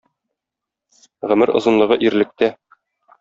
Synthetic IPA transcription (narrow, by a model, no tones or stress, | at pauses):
ʁɵ̆mɘɾŏ̰zɤ̆nlˠɤ̆ʁɤʔiɾlɘ̆k̚t̪æ